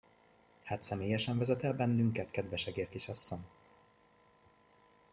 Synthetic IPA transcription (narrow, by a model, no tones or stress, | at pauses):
haːt̪sɛmeːjɛʃɛɱvɛzɛt̪ɛlbɛnːyŋkɛt̪kɛd̪vɛʃɛɡeːrt̪iʃɒsːoɲ